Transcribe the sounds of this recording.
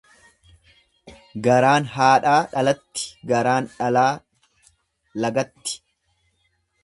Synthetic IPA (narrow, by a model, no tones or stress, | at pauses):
ɡɐɾaːnɦaːᶑaːᶑɐlɐt̪ːɪ̥ɡɐɾaːnᶑɐlaː | lɐɡɐt̪ːɪ̥